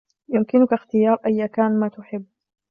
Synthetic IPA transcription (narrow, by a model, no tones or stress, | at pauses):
jʊmkɪnʊkaxt̪ɪjɑːɾˤʔajːakaːnmaːt̪ʊħɪbː